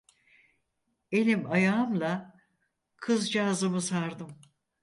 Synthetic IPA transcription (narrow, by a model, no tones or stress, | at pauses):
e̞lʲimajaːɯmlˠa | kʰɯzd͡ʒaːzɯmɯzhaɾd̪ɯm